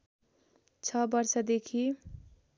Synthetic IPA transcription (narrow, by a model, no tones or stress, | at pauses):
t͡ʃʰʌbʌɾsʌd̪ekʰi